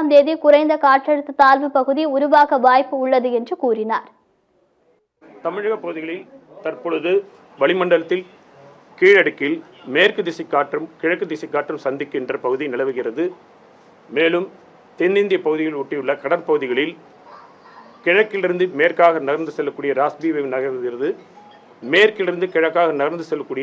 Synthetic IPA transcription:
md̪eːðikʊrɐɪnd̪ɐkaːʈrɛɽɯt̪ːɯt̪aːlʋɯpɐɣɯðiʊɾʊʋaːɣɐʋaːjpːɯʊɭːɐðɯɛndrɯkuːrɪnaːɾ | t̪ɐmɪɻɐɣɐpːɐɣɯðɪɣɐɭɪlt̪ɐrpɔɻɯðɯ | ʋɐɭɪmɐɳɖɐlɐt̪ːɪl | kiːɻɐɽɯkːɪlmeːrkɯd̪ɪsɪkːaːʈrɯmkɪɻɐkːɯd̪ɪsɪkːaːʈrɯmsɐnd̪ɪkːɪndrɐpɐɣɯðinɪlɐʋɯɣɪrɐðɯ | meːlɯm | t̪end̪ɪnd̪ɪjɐpɐɣɯðɪɣɐɭɪʊʈːɪjɯɭːɐkɐɽɐɾpɐɣɯðɪɣɐɭɪl | kɪɻɐkːɪlɪɾɯnd̪ɯmeːrkaːɣɐnɐɣɐɾnd̪ɯsɛlːɐkːuːɽɪjɐɾaːsbiːʋɐʋnɐɣɐɾɯɣɪrɐðɯ | meːrkɪlɪɾɯnd̪ɯkɪɻɐkːaːɣɐnɐɣɐnd̪ɯsɛlːɐkːuːɽɪjɐ

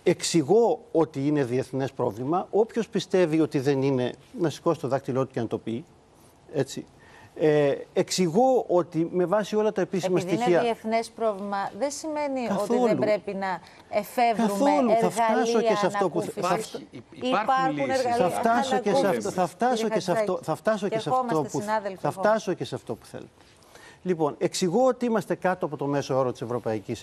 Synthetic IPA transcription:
e̞ksiɣo̞ot̪iine̞ðie̞θne̞spɾo̞̰vlimɐʔopço̞spist̪e̞vio̞t̪iðe̞nine̞nɐsi̥ko̞si̥t̪o̞ðɐk̚t̪ilo̞t̪u̥ce̞nɐt̪o̞pi | e̞t͡si | eeksiɣo̞o̞t̪ime̞vɐsio̞lɐt̪ɐepisimɐsst̪içiɐieθnespɾo̞vlimɐðesime̞niɐotθo̞elubɾe̞pinɐ | efevkɐuθoluθɐfɣt̪ɐsoesɐtopuɐfiɾueɣɐɐft̪ɐsoesɐft̪oθɐft̪ɐsoesɐfoθɐft̪ɐs̬ocesɐtmonɐðlfθɐft̪ɐsoce̞sɐft̪o̞pu̥θḛlet̪e̥ | lipo̞ne̞ksiɣo̞ot̪iimɐst̪e̞kɐt̪oɐpo̞t̪o̞me̞sooɾot̪i̥se̞vɾo̞pɐicis

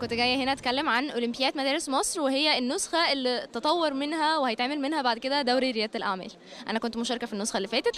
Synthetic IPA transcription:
kont̪ɡæjːæhenæʔæt̪kælːemʕanʔolɪmpejæːt̪mæd̪æːɾesmɑsˤɾwehejːæenːosxæʔelːit̪ɑt̪ˤɑwːɑɾˤmenhæwehæjet̪ʕaːmelmenhæbaʕd̪ked̪æd̪æwɾiɾejæːt̪elʔaʕmæ̰ːl | ʔæ̰nækont̪moʃɑɾˤɑkæfinːosxælːifæːt̪et̪

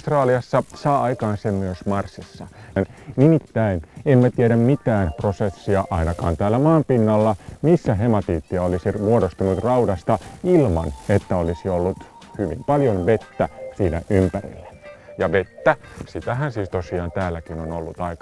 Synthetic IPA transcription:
st̪rɑːliɑsːɑsɑːʔɑikɑːnsemmyøsmɑrsːisːɑ̰nnimit̪ːæinemmæt̪ieɾæmmit̪æːnprosesːiɑʔɑinɑkɑ̰ːnt̪æːlːæmɑːmpinːɑlːɑmisːæɦemɑt̪iːt̪ːiæolisimuodost̪unut̪rɑudɑst̪ɑilmɑ̰net̪ːæolisiolːut̪ | hyʋḭmpɑljonʋet̪ːæsiːnæ̰ʔympærḭlːæ̥jɑʋet̪ːæsit̪æhænsiːst̪osiɑːnt̪æːlːækinonolːut̪ɑikɑ

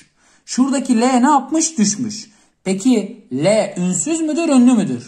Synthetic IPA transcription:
ʃuɾd̪acʰilʲɛnɛapmɯʃd̪yʃmyʃ | pecʰilʲɛʔynsyzmyd̪iɾønlʲymyd̪yɾ̥

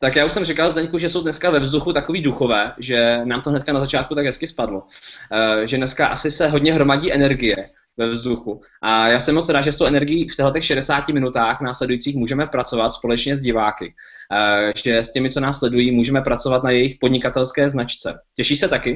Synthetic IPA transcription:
t̪akjaːuʃsɛmrɪkalzdɛɲkuʒɛso̞wdnɛskavɛvzduxut̪akoviːduxo̞vɛːʒɛnaːmt̪oɦnɛt̪̚kanazat͡ʃaːt̪̚kut̪aɡɦɛskɪspadlo | ʒɛdnɛskaʔasɪsɛɦodɲɛɦɾo̞maɟiːʔɛnɛɾɡɪjɛ | vɛvzduxu | ʔajaːsɛɛmo̞t͡sɾaːʒɛst̪o̞wʔɛnɛɾɡɪjiːft̪ɛɦlɛt̪ɛxʃɛdɛsaːcɪmɪnut̪aːxnaːslɛdujiːt͡siːxmuːʒɛmɛpɾat͡so̞vat̪spo̞lɛt͡ʃɲɛzɟɪvaːkɪ | ʒɛscɛmɪt͡so̞naːsːlɛdujiːmuːʒɛmɛpɾat͡so̞vat̪najɛjɪxpo̞dɲɪkat̪ɛlskɛːznat͡ʃt͡sɛ̰cɛʃiːsɛt̪akɪ

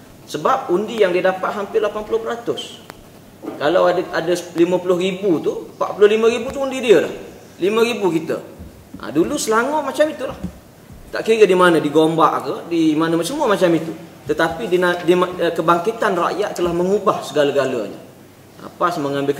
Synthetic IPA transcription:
səbap̚undijaŋdiədapat̪̚ɦampɪrlapanpulʊhpəɾat̪ʊs | kalawadadəlimə̃pulʊɦribut̪upa̰ʔpulʊhlimə̃ɾibut̪uundidiəla̰h | limə̃ɾibukit̪ə̰ | ʔə̰dulusəlaŋʊʔmat͡ʃamit̪ulah | t̪a̰ʔkiɾədimanə̃diɡomba̰ʔkədimanəmasəmuəmat͡ʃamit̪ut̪ət̪apidinadikəbaŋkit̪anra̰ʔjat̪̚ːəlahməŋubahsəɡalaɡalə̰ɲə̰ | ə̰pasməŋãmbɪlk

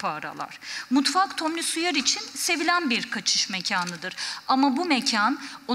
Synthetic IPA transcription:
pʰaːɾa̰lˠa̰ɾ̥mut̪fakt̪ʰomlʲysujaɾit͡ʃʰinse̞vilʲænbiɾkʰat͡ʃʰɯ̥ʃmɛcʰaːnɯd̪ɯɾamabumecʰano

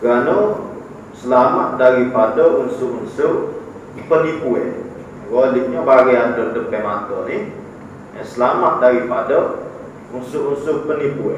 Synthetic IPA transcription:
kano | səlama̰t̪̚daɾipadəunsʊʔunsʊʔ | pənipuɛ̰ | woliʔ̚ɲəbaɾiant̪ərdəpɛmat̪ɔni | əsəlamat̪̚daɾipadə | unsʊʔunsʊpənipuɛ̰

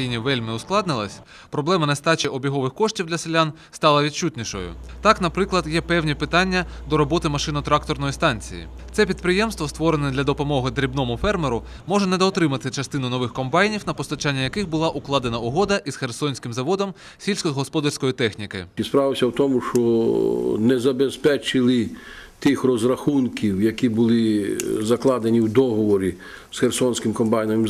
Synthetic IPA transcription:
ijnʲiʋɛlʲmɪʊsklˠɑd̪nɪlˠɐsʲ | pɾɔblˠɛmɐnɛst̪ɑt͡ʃɐʔɔbʲiɦɔʋɪxkɔʂtʲiwd̪lʲɐselʲan | st̪ɑlˠɐʋʲid̪̚t͡ʃut̪ʲnʲiʃɔ̰jʊ̰t̪ɑknɐpɾɪklˠɐd̪jɛpɛwnʲipɪt̪ɑnʲːɐ | d̪ɔɾɔbɔt̪ɪmɐʃɪnʊt̪ɾɑk̚t̪ɔrnɔjist̪ɑnʲt͡sʲḭjḭ | t̪sɛpʲid̪pɾɪjɛmst̪ʋɔst̪ʋɔɾenɛd̪lʲɐd̪ɔpɔmɔɦɪd̪ɾʲibnɔmʊfɛrmeɾʊ | mɔʒɛnɛd̪ɔːt̪ɾɪmɐt̪ɪt͡ʃɐst̪ɪnʊnɔʋɪxkɔmbɑjnʲiwnɐpɔst̪ɐt͡ʃanʲːɐjɐkɪxbʊlˠɑʔʊklˠɑd̪enɐʊɦɔd̪ɐʔiz̥xersɔnʲsʲkɪmzɐʋɔd̪ɔm | sʲilʲsʲkɔɦɔspɔd̪ɐrsʲkɔjit̪ɛxnʲikɪ̰spɾɑʋɪsʲɐwt̪ɔmʊʃt͡ʃɔ | nɛzɐbespɛt͡ʃɪlˠɪt̪ɪxrɔzrɐxunkʲiwjɐkʲibʊlˠɪzɐklˠɑd̪enʲiwd̪ɔɦɔʋɔɾʲi | sxersɔnʲsʲkɪmkɔmbɑjnɐmɪm

